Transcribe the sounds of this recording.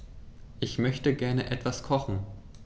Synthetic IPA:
ʔɪçmœçtəɡɛɐnəʔɛtv̥askʰɔχn̩

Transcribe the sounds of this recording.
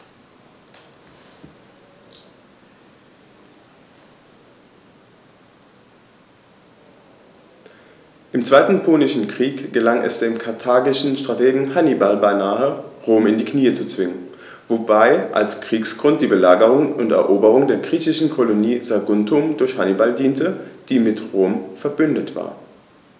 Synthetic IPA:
ʔɪmt͡sv̥aɪtn̩pʰoːnɪʃn̩kʁ̥iːkɡ̥əlaŋʔɛ̰sd̥eːmkʰaɐtʰaːɡɪʃn̩ʃtʁ̥atʰeːɡŋ̩hanibalbaɪnaːəʁoːmɪndiːkʰniːət͡sut͡sv̥ɪŋən | vobaɪʔa̰lskʁ̥iːksɡ̥ʁʊnt̚d̥iːbəlaːɡəʁʊŋʊntɛ̰ɐʔoːbəʁʊŋdeːɐɡʁiːçɪʃn̩kʰoloniːzaɐɡʊntʰʊmdʊɐçhanibaldiːntəd̥iːmɪtʁoːmfɛɐbʏndətv̥a̰ːɐ

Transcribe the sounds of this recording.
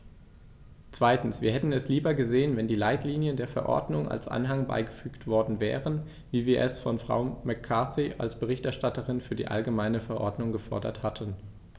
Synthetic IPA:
t͡sv̥aɪtn̩sv̥iːɐɦɛtn̩ɛsliːbɐɡəzeːənvɛndiːlaɪtliːnjəndeːɐfɛɐʔɔ̰ɐdnʊŋʔa̰lsʔa̰nɦaŋba̰ɪɡəfyːktv̥ɔɐdn̩vɛ̰ːʁən | viːviːɐʔɛsfɔnfʁ̥a̰ʊmɛkʰːaθiʔa̰lsb̥əʁ̞ɪçtɛɐʃtatəʁɪnfyːɐdḭːʔa̰lɡəmaɪnəfɛɐʔɔɐdnʊŋɡəfɔɐdɐ̰thatʰən

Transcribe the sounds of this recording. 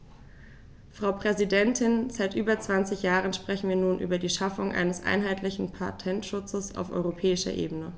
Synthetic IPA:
fʁ̥aʊpʁ̥ɛzidɛntʰɪnzaɪtʔyːbɐt͡sv̥ant͡sɪçjaːʁənʃpʁ̥ɛçn̩viːɐnuːnʔy̰ːbɐdiːʃafʊŋʔa̰ɪnəsʔa̰ɪnɦaɪtlɪçn̩pʰatʰɛntʃʊt͡səsa̰ʊfʔɔ̰ʏʁopʰɛːɪʃɐ̰ʔḛːbənə

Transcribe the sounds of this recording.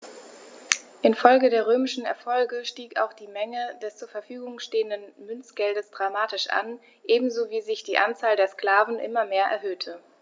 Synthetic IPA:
ʔɪnfɔlɡədeːɐʁ̞øːmɪʃn̩ɛ̰ɐfɔlɡəʃtiːka̰ʊxd̥iːmɛŋədɛst͡suːɐfɛɐfyːɡʊŋʃteːəndənmʏnt͡sɡ̥ɛldəsd̥ʁamaːtɪʃʔa̰n | ʔeːbm̩zoːviːzɪçd̥iːʔant͡saːldeːɐskl̥aːvn̩ʔɪ̰mɐmeːɐʔɛ̰ɐɦøːtʰə

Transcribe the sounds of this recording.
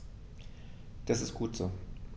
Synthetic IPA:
d̥asɪstɡ̥uːtz̥oː

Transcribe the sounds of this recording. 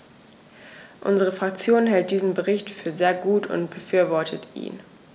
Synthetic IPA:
ʔʊ̰nzəʁ̞əfʁ̥ak̚t͡sjoːnɦɛlt̚d̥iːzn̩bəʁɪçtfyːɐzeːɐɡuːtʰʊ̰ntb̥əfyːɐvɔɐtʰətʰʔḭːn

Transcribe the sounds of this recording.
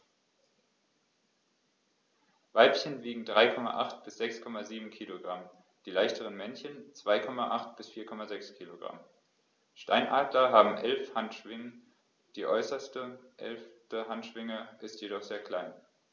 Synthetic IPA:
vaɪpçənviːɡŋ̩dʁaɪkʰɔma̰ʔaχtb̥ɪsz̥ɛkskʰɔmaziːbm̩kʰiːloɡʁam | d̥iːlaɪçtʰəʁ̞ənmɛnçənt͡sv̥aɪkʰɔmaʔaχt̚b̥ɪsfiːɐkʰɔmazɛkskʰiːloɡʁa̰m | ʃta̰ɪnʔaːdlɐɦaːbm̩ʔɛlfhantʃv̥ɪŋən | d̥iːʔɔʏsɐstəʔɛ̰lftəɦantʃv̥ɪŋəʔɪstjedɔχz̥eːɐkl̥aɪn

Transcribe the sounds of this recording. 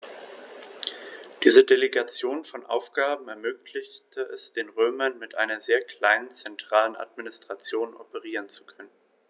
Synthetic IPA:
d̥iːzədeleɡat͡sjoːnfɔnʔa̰ʊfɡ̥aːbm̩ɛɐmøːklɪçtʰəɛsd̥eːnʁøːmɐnmɪtʔaɪnɐzeːɐkʰl̥aɪnənt͡sɛntʁ̥aːlənʔa̰tminɪstʁ̥at͡sjoːnʔɔ̰pəʁiːʁənt͡su̥kʰœnən

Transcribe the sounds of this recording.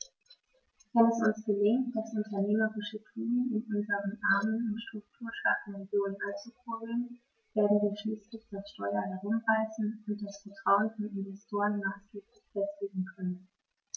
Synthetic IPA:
vɛnɛsʊnsɡ̥əlɪŋkt̚d̥asʔʊntɐneːməʁɪʃətʰuːənɪnʔʊnzəʁənʔaɐmənʊntʃtʁ̥ʊk̚tʰuːɐʃatn̩ʁeɡjoːnənʔant͡supʰoblən | v̥eːɐdn̩viːɐʃliːslɪçd̥asʃtɔʏɐɦɛʁʊmvaɪsn̩ʊnt̚d̥asfɛɐtʁ̥aʊənfɔnɪnvɛstʰoːʁənmaːsɡ̥eːplɪçfɛstleːɡŋ̩kʰœnən

